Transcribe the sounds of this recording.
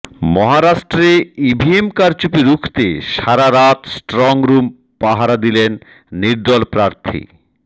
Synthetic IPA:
mɔɦaɾaʃʈɾeibʱiemkaɾt͡ɕupiɾukʰt̪eʃaɾaɾat̪sʈɾɔŋɾum | paɦaɾad̪ilenː | iɾd̪ɔlpɾaɾt̪ʰḭ

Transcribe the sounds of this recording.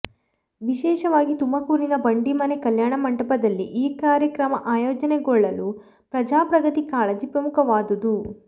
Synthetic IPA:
ʋiʃɛːʃɐʋaːɡit̪umɐkuːɾinɐbɐɳɖimɐnekɐljaːɳɐmɐɳɖɐpɐd̪ɐlːiʔiːkaːɾjɐkɾɐmɐʔaːjɔːd͡ʒɐneɡɔɭːɐlu | pɾɐd͡ʒaːpɾɐɡɐt̪ikaːɭɐd͡ʒipɾɐmukʰɐʋaːd̪ud̪u

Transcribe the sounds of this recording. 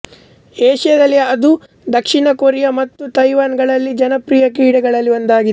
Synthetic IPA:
eːʂjɐd̪ɐlːijɐɐd̪u | d̪ɐkʂiɳɐkoɾjɐmɐt̪ːut̪ɐjʋaːnɡɐɭɐlːid͡ʒɐnɐpɾijɐkiːɽɐɡɐɭɐlːiond̪aːɡid̪e

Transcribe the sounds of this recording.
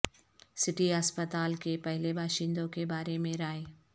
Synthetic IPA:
sɪʈiɦaspət̪aːlkepɛɦlebʱaːʃɪ̃nd̪õkebaːɾemẽɾaːe

